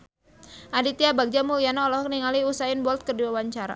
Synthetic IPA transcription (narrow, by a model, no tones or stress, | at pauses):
ʔadit̪iabaɡ̚d͡ʒamulijanɔːlɔɦɔk̚niŋaliusaɪnbɔlt̪̚kərdiwawaɲt͡ʃaɾa̰